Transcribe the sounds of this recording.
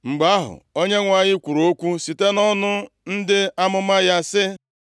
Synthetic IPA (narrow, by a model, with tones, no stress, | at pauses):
ŋ͡m̩˨ɡ͡ba˦ɦʊ̰˨o˦ɲe˦ŋʷa˨ɲɪ˦kʷu˨ɾoo˦kʷu˦si˨te˦nɔ˦nʊ˦ | n̩˦dɪ˦a˦mʊ˦ma˦ja˦sɪ˦